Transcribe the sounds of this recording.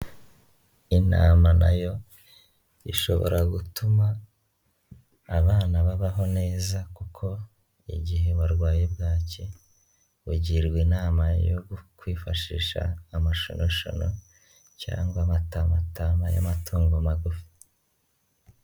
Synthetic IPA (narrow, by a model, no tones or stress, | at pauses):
ina̰ːmana̰jo̞ | iʃo̞̰βo̰ɾʔaɡutuma | βaːnaβaβaɦo̞ne̞ːzakukʰo̞ | iɟihe̞waɾɡwaːjebɡaːce̞ | βuɟiɾɡwinaːmajoɡukwiːfaʃiːʃa̰ːmaʃo̰nʔoʃa̰no | ca̰ːŋɡwamatamatamaja̰matʰuːŋɡomaɡufi̥